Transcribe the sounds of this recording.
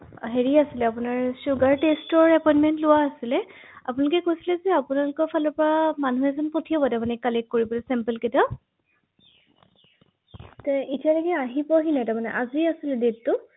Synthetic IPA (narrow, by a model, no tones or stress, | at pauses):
ɦeɹiasilɛapʊnaɹsuɡaɹtestɔɹɛpɔjnmɛntlʊwaːsilɛ | a̰pʊnalʊkɛkojsilɛzɛapʊnalʊkɔpʰalɔpɔɹamanuɛzɔnpotʰiɔbɔtamanɛkalɛkːoɹibɔlɛsɛmpəlketɔ | tɛitijalakɛaɦipɔɦinatamanɛ̰ʔaziasilɛditʊ